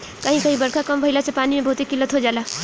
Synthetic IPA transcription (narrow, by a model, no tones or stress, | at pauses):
kəɦĩkʌɦĩbəɾkʰakəmbʱəilat͡ʃʰʌpanimebʱout̪ikːilət̪ɦod͡ʒala